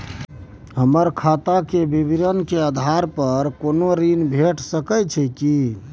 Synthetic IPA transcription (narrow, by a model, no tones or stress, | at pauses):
ɦəməɾkʰat̪akebibiɾənkead̪ʱaɾpəɾkonoɾinbʱeʈsəkət͡ʃʰɛki